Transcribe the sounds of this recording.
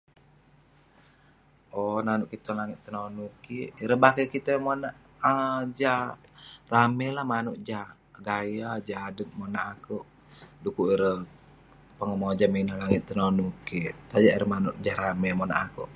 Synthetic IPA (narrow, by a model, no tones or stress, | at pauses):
ʔɔnanuʔkit̪ɔnlaŋɪt̪ːənonukiʔiɾəbakəkit̪əmonaʔ | əd͡ʒahramɛlahmanuʔd͡ʒah | ɡajad͡ʒadət̪̚monaʔakuʔ | dukuʔiɾə | pəŋəmod͡ʒaminahlaŋɪt̪̚ːənonukit̪ad͡ʒaʔiɾəmanuʔd͡ʒahɾamɛmona̰ʔakṵʔ